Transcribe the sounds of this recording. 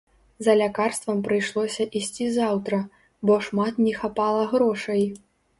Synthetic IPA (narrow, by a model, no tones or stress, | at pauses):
zɐlʲakarst̪vɐmpɾɨjʂlˠɔsʲɐʔisʲt͡sʲizawt̪ɾɐ | bɔʂmat̪nʲɛxapalˠɐɣɾɔʂɐji